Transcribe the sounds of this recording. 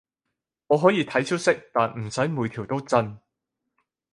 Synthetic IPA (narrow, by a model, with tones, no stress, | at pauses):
ɔː˨˧ɦɔː˨˥jiː˨˧t̪ʰɐ˨˥jt͡ʃʰɵ˥t̚sɪ˥k̚t̪aː˨nm̩˨˩sɐ˨˥jmuː˨˧jt̪ʰi˨˩wt̪o˥wt͡sɐ˧n